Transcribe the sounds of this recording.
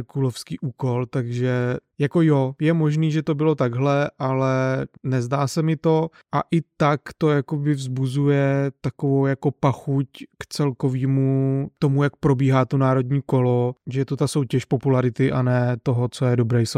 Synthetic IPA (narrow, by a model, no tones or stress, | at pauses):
kulofskiːʔuːko̞lt̪aɡʒɛjako̞jojɛmo̞ʒniːʒɛt̪o̞bɪlo̞t̪aɡɦlɛʔalɛnɛzdaːsɛmɪt̪o̞ | ʔaʔɪt̪akt̪o̞jakobɪvzbuzujɛt̪akovowjako̞paxuckt͡sɛlko̞viːmut̪o̞mujak̚pɾo̞biːɦaːt̪onaːɾo̞dɲiːko̞lo̞ʒɛjɛt̪ot̪aso̞wcɛʃpo̞pulaɾɪt̪ɪʔanɛːt̪o̞ɦot͡so̞jɛdo̞bɾɛːjs